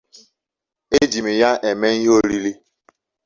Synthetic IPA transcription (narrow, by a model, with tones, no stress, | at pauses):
e˦d͡ʒi˨mi˨ja˦ʔe˨me˦i˦ɦo˦ɾi˦li˦